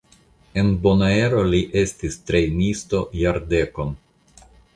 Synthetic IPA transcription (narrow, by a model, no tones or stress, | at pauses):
e̞nbo̞nae̞ɾo̞liʔe̞stistɾe̞jnisto̞jaɾde̞ko̞n